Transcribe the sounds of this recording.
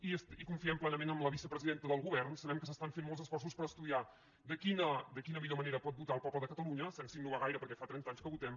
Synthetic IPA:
iəsikuɱfiɛmplɛnəmenəmləβisəpɾəziðent̪əðəlˠɣuβɛrnsəβɛmkəsəst̪aɱfenmɔlˠzəsfɔrs̬uspəɾəst̪uðia | d̪əkinəd̪əkinəmiʎoməneɾəpɔt̪̚but̪aːlˠpɔpləðəkət̪əluɲəsɛnsinuɣaɣajɾəpəɾkɛfat̪ɾɛnt̪aɲskəβut̪ɛm

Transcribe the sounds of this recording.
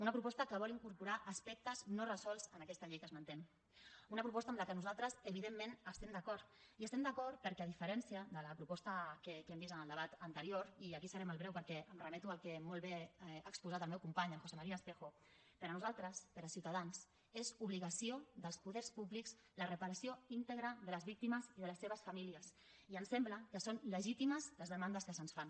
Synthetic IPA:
unəpɾupɔst̪əkəβɔliŋkuɾpuɾaʔəspɛk̚t̪əznorəzɔlˠzənəkɛst̪əʎejkəzmənt̪ɛm | unəpɾupɔst̪aəmləkənuzalˠt̪ɾəzəβiðemːenəst̪ɛmd̪əkɔɾt̪iəst̪ɛmd̪əkɔɾt̪̚pəɾkɛəðifəɾɛnsiəðələpɾupɔst̪əkekɛmbisənəlˠd̪əβat̪ənt̪əɾioɾiəkisəɾɛməlˠβɾɛwpəɾkɛəmrəmɛt̪uəlˠkɛmolˠβeaːkspuzat̪əlˠmɛwkumpaɲəlxosemaɾiaəspexo | pəɾənuzalˠt̪ɾəspəɾəsiwt̪aðans | ezuβliɣəsioðəlˠspuðɛɾspuβlikz | lərəpəɾəsioint̪əɣɾəðələzβik̚t̪iməziðələsːeβ̞əsfamiliəs | iənsɛmbləkəsonləʒit̪iməzləzðəmand̪əskəsənsfan

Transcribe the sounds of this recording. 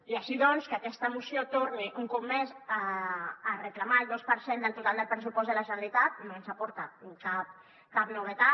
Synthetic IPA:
iaʃiðɔnskəakɛst̪əmusijot̪oɾniʔuŋkumːezaː | rəklamaəlˠd̪ospəɾsend̪əlˠt̪ut̪alˠd̪əlˠpɾəs̬upɔzd̪əlaʒənəlit̪at̪̚nonsapɔɾt̪akap̚ | kap̚nuβ̞ət̪a

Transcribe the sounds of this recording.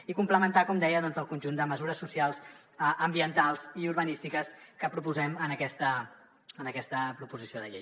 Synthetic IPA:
ikumpləmənt̪akɔmd̪ɛjəðɔnzəlˠkunʲʒund̪əməzuɾəsːusialˠzʔəmbiənt̪alˠziuɾβənist̪ikəskəpɾupuzɛmənəkɛst̪ə | ənəkɛst̪əpɾupuzisioðəʎḛj

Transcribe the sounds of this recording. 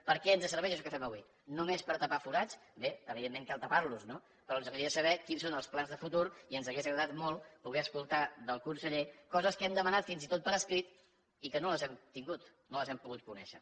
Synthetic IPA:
pəɾkɛənzəs̬əɾβɛʒəʃɔkəfɛməβwi | numespəɾt̪əpafuɾat͡ʃbeəβiðemːẽŋkalˠt̪əpaɾluzno | pəɾɔənzəɣəɾisəβ̞ɛkinsonəlˠsplanzðəfut̪uɾiənzəɣezɣɾəðat̪molˠpuɣ̞ɛəskulˠt̪aðəlˠkunsəʎekɔzəskəɛmd̪əmənat̪finzit̪ot̪̚pəɾəskɾit̪ | ikənoləzɛmt̪iŋɡut̪ | noləzɛmpuɣut̪̚kunɛ̰ʃə̰

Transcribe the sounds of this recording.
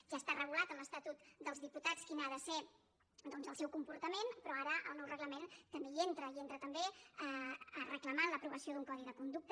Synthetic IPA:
ʒast̪arəɣ̞ulat̪əmləst̪at̪ut̪d̪əlˠzðiput̪at͡skinaðəse | d̪ɔnzəlˠsɛwkumpuɾt̪əmenpɾɔaɾəʔəlˠnɔwrəɣləment̪əmbeent̪ɾəient̪ɾət̪əmbe | rəkləmanləpɾuβəsioðuŋkɔðiðəkund̪uk̚t̪ə

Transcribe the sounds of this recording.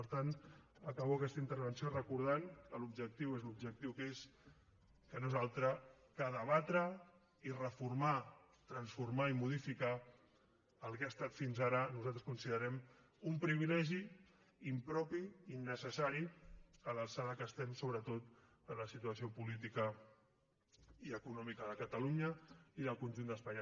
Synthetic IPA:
pəɾt̪anəkəβoakɛst̪əint̪əɾβ̞ənsiorəkuɾð̞aŋkəlubʒək̚t̪iwezlub̚ʒək̚t̪iwkes | kənoezalˠt̪ɾə | kəðəβat̪ɾə | irəfurma | t̪ɾənsfurmaimuð̞ifikaː | lˠkeast̪at̪finzaɾənuzalˠt̪ɾəskunsiðəɾɛm | umpɾiβ̞ilɛʒi | impɾɔpiinːəsəsaɾiələlˠsaðəkəst̪ɛmsoβɾət̪ot̪ | əɾləsit̪uəsiopulit̪̬ikə | iəkunɔmikəðəkət̪əluɲəiðəlˠkunʒund̪əspaɲ

